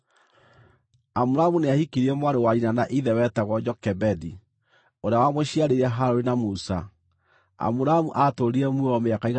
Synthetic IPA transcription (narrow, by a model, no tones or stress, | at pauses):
amuɾamuneahikiɾiɛmwaɾewaɾinanaʔiðɛwɛtaɣɔd͡ʒɔkɛbɛdi | oɾeawamwɛɕiaɾeɾɛɦaɾoɾenamusa | a̰muɾamuʔatoɾiɾɛmuɔmeakaiɣ